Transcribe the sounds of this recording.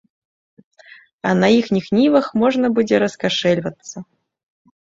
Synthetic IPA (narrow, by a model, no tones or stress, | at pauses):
ɐnɐixnʲixnʲivɐxmɔʐnɐbɨd͡zʲɛɾɐskaʂɛlʲvɐt̪sːɐ